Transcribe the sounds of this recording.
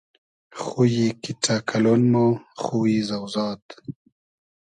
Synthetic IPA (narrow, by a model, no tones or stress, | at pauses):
xujikiʈʰakʰalonmoχuwizawzɑːt̪